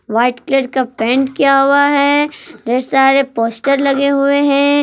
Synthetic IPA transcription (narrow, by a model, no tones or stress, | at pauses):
ʋaːɪʈkleːɾkapɛ̃ːɳʈkjaɦʊaɦɛːd̪eːɾsaːɾepoːsʈəɾlɐɡeɦʊeɦɛ̃